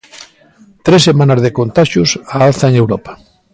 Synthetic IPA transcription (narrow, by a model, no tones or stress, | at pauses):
t̪ɾesːemãnazðekont̪aʃjusaalθaeŋewɾɔpḁ